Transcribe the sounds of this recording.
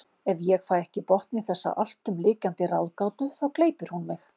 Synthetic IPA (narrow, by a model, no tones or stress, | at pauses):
ɛvjɛɣfaːjɛhcɪpɔht̪niθɛsːa̰ʔal̥t̪ʏmlɪːkant̪ɪrawðkaːwt̪ʏθawkleːjpɪɾ̥hunmɪx